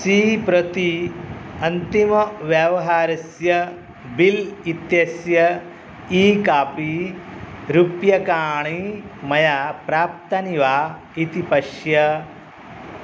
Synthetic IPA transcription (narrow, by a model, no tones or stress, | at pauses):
siːpɾɐt̪i | ɐnt̪imɐʋjɐʋɐɦaːɾɐsjɐ | bilit̪jɐsjɐ | iːkaːpi | ɾupjɐkaːɳimɐjapɾaːp̚t̪ɐniʋaː | it̪ipɐʃjɐ